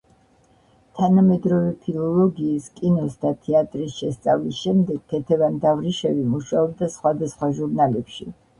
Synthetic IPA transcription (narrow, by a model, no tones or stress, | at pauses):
t̪ʰanamɛd̪ɾɔvɛpʰilˠɔlˠɔɡiːskʼinɔsd̪at̪ʰɛat̪ʼɾisʃɛst̪sʼavlisʃɛmd̪ɛɡ̥̚t̪ʰɛt̪ʰɛvand̪avɾiʃɛvimuʃaɔb̚d̪asχwad̪asχwaʒuɾnalɛpʃi